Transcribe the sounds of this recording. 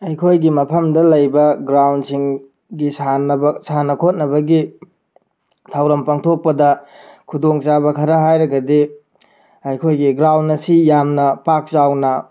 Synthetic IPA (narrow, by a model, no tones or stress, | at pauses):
ɐjkʰojɡimɐpʰɐmdɐlɐjbɐɡɾawnsiŋ | ɡisanbsanɐkʰot̚nɐbɐɡi | tʰawɾɐmpaŋtʰok̚pɐdɐkʰudoŋt͡ʃabɐkʰɐɾɐɦajɾɐɡɐdi | ɐjkʰojɡiɡɾawnːɐsijamnɐpak̚zawnɐ